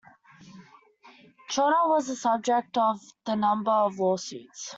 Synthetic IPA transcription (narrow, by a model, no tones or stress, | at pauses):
t͡ʃʰɔɾəwɔzəsʌb̚d͡ʒɛk̚təvðənʌ̃mbəəvwɔːsʉ̰ːˑts